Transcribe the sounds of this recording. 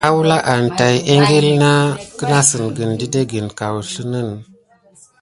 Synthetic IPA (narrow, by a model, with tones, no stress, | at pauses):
a˦wu˦la˦ʔa˨n˨ta˨je˦ŋɡe˦lna˦kə˦na˦sə˨nɡə˨ndi˦de˦ɡi˨nka˨wɬə˦nə˦˨n